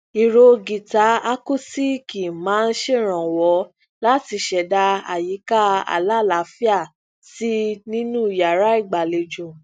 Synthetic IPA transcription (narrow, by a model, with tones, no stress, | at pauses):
i˨ɾo˧ɡi˨ta˨˦a˦ku˦˨si˦ki˨mãː˨˦˧n̩˦ʃe˦˨ɾ̃ã˨wɔ˨˦ | la˦ti˧˦ʃɛ˨da˧a˨ji˨˦ka˦a̰˨la˦˨la˨˦fi˦a˦˨ | si˦nĩ˦nũ˦˨ja˨ɾa˨˦i˦˨ɡ͡ba˨le˧d͡ʒũ˨